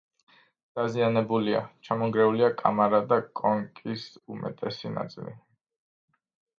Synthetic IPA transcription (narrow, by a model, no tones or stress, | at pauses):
d̪̥azianɛbulia̰t͡ʃʰamɔŋɡɾɛuliakʼa̰maɾad̪akʼɔŋkʼisumɛ̰t̪ʼɛsina̰t̪sʼḭlḭ